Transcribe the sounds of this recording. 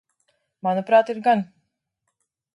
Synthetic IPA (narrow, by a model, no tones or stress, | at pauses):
manupɾaːt̪iɾɡan